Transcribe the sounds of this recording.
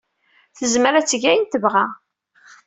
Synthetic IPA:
θəzməɾæt͡sːəʝæjənt̪əvʁæ

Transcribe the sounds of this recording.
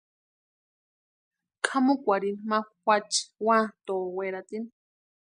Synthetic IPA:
kʰamukʷaɾinmawʷat͡ʃwãt̪oːweɾat̪in

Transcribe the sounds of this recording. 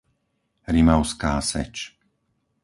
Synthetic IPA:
ɾimaʊskaːsɛ̰t͡ʃ

